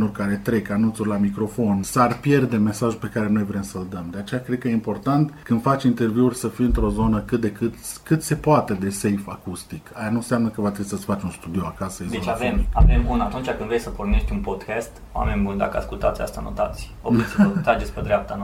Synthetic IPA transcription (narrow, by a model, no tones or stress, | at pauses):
norʲkaɾe̞t̪ɾe̞kanunt̪surʲlamikɾo̞fo̞nsarpje̞rd̪e̞me̞saʒupe̞kaɾe̞no̞jvɾe̞msəld̪əmd̪eat͡ʃe̞jakɾe̞d̪̚kəjeimpo̞rt̪ant̪kɨnd̪̥fat͡ʃʲint̪e̞rviurʲsəfiɨnt̪ɾo̞zo̞nəkɨt̪̚d̪e̞kɨt̪kɨt̪se̞poat̪e̞d̪e̞se̞jfakust̪ikajanunseamnəkəvat̪ɾebisəsfat͡ʃunst̪ud̪ioakasəezd̪et͡ʃavemave̞munat̪unt͡ʃakɨnd̪vɾesəporne̞ʃt̪ʲunpo̞d̪kast̪oa̰me̞nʲbund̪a̰kəa̰skult̪a̰t̪sʲa̰st̪ano̰t̪at̪sʲ | osət̪ɾad͡ʒesʲped̪ɾeap̚t̪an